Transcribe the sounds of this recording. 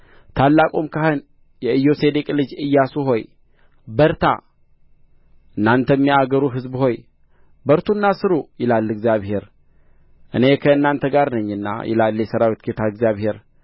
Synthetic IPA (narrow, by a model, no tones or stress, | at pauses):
t̪ʰalːakʼomkʰahɨn | jɛɨjːo̞se̞d̪ekʼlɨd͡ʒɨjːasuɦo̞j | bəɾt̪ʰa̰ | ʔɨnːant̪ʰəmːiaɡəɾuɦɨzbho̞j | bəɾt̪ʰunːasɨɾujɪlalːɨɡzijaβhe̞ɾ | ʔɨ̰ne̞kʰəɨnːant̪ʰəɡaɾnəɲːɨnːa̰jʔɛ̰lalːjɛsəɾawit̪ɡet̪ʰaɨɡzjaβhe̞ɾ